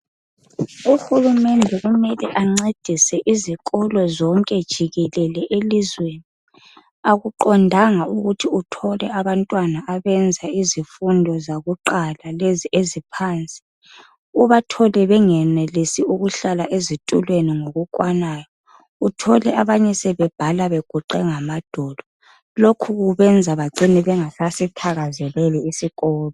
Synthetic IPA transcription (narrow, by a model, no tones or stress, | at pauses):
uxulumɛndʱɛʔumɛlɛʔaŋ͡ǀed̥ʱisɛʔiziɣʼɔlɔzɔŋkʼɛd̥ʒ̥ʱiɣɛlɛlɛʔelizweni | aɣuǃɔndʱaŋauɣutʰiutʰɔlɛaβantʼwanaʔaβɛnd͡zʱaizifundʱɔzaɣuǃalaleziʔezipʰaːnt͡sʼi̥ | uβatʰɔlɛβɛŋɛnelisiuɣuɬalaʔezitʼulweniŋoɣukʼwanaːjɔ | utʰɔlɛʔaβaɲɛsɛβɛb̥ʱalaβeɡ̥ʱuǃɛŋamad̥ʱɔlɔ | lokʰuɣuβɛnd͡zʱaβaɡ͡ǀiniβɛŋasasitʰaɣazɛlɛlɛisikʼɔːlɔ